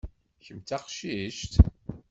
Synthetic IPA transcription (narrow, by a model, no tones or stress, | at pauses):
çəmt͡s̪æqʃiʃt̪